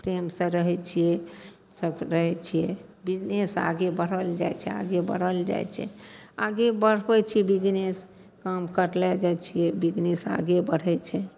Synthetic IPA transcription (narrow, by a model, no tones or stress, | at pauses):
pɾemsə̃ɾəɦɛt͡ʃʰijɛ | səbɾəɦɛt͡ʃʰijɛbid͡ʒnesa̰ɡebəɽ̤əld͡ʒa̰jt͡ʃʰɛa̰ɡebə̰ɽ̤əld͡ʒa̰jt͡ʃʰɛ̰aɡebəɽ̤bɛt͡ʃʰiɛbid͡ʒnes | kamkəɾlɛd͡ʒajt͡ʃʰijɛbid͡ʒnesa̰ɡebəɽ̤ɛt͡ʃʰɛ